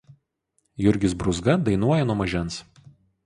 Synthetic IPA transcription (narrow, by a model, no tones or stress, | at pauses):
jʊɾʲɡʲɪsbɾʊzɡɐd̪ɐɪnuɔjɛnuɔmɐʒʲɛns